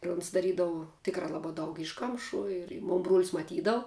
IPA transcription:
ɪr ʊns dɐˈrʲiːdɐʋʊ ˈtʲɪkrɑː ˈlˠɑːbɑː ˈdɐʊk ˈɪʃˌkɐmʃuː ɪr ɪ ˈmoːn bruɔlʲsʲ mɐˈtʲiːdɐʋʊ

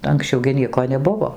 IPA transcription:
ɐŋksʲˈt͡ʃʲɛʊ ɡʲɪ ˈnʲiɛkoː nʲɛˈbʊʋoː

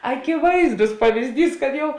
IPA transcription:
ɐkʲɪˈʋɐɪzdʊs pɐʋʲɪzʲˈdʲiːs kɐt ˈjɛʊ

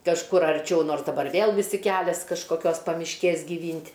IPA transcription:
kɐʃˈkʊr ɐrʲˈt͡ʃʲɛʊ ˈnoːrs dɐˈbɐr ˈʋʲeːlˠ ʋʲɪˈsʲɪ ˈkʲælʲɛs kɐʃkoːˈkʲoːs pɐmʲɪʃʲˈkʲeːs ɡʲiːˈʋʲiːnʲtʲ

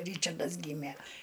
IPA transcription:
ˈrʲiːt͡ʃɐrdɐs ˈɡʲiːmʲeː

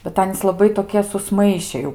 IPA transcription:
bʲɛt ˈɑːnʲiːs lˠɐˈbɐɪ toːˈkʲiɛ sʊsˈmɐɪʃʲɛ jɛʊ

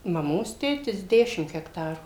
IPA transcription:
mɐˈmoːs ˈtʲeːtʲɪs ˈdʲæːʃʲɪm ɣʲɛkˈtɑːruː

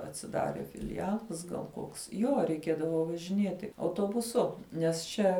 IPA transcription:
ɐtʲsʲɪˈdɑːrʲeː fʲɪlʲɪˈjæːlˠɐs ɡɐlˠ ˈkoːks joː rʲɛɪˈkʲeːdɐʋoː ʋɐʒʲɪˈnʲiɛtʲɪ ɐʊtuɔbʊˈsʊ nʲɛs ˈt͡ʃʲɛ

